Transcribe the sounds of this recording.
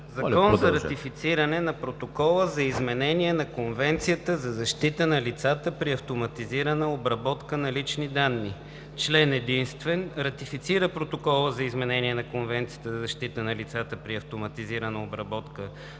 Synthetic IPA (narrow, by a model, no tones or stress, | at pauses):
zɐkɔnzɐɾɐt̪ifit̪siɾənɛnɐpɾot̪okɔlˠəzɐizmɛnɛniɛnɐkonvɛnt̪sijət̪əzɐzɐʃt̪it̪ənɐlit̪sat̪əpɾiɐft̪omɐt̪iziɾənəobɾɐbɔt̪kənɐlit͡ʃnid̪anːi | t͡ʃlɛnɛd̪inst̪vɛnɾɐt̪ifit̪siɾəpɾot̪okɔlˠəzɐizmɛnɛniɛnɐkonvɛnt̪sijət̪əzɐzɐʃt̪it̪ənɐlit̪sat̪əpɾiɐft̪omɐt̪iziɾənəobɾɐbɔt̪kə